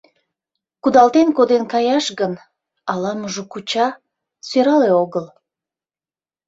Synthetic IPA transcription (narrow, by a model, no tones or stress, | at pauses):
kud̪ɑlt̪enkod̪enkɑjɑʃɣən | ɑlɑmuʒukut͡ɕɑ | søɾɑleoɣəl